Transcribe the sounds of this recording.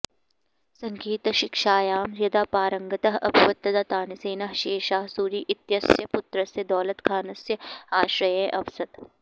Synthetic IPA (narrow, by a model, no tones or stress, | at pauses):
sɐ̃ŋɡiːt̪ɐʃɪkʃaːjaːmɾjɐd̪aːpaːɾɐŋɡɐt̪ɐɦɐ̰bʱiʋɐt̪ːɐd̪at̪aːniseːnɐɦʃeːʃaːɦsuːɾiːʔɪt̪jɐsjɐpʊt̪ɾɐsjɐd̪ɔːlɐt̪kʰaːnɐsjɐaːʃɾɐjeːʔɐʋsɐt̪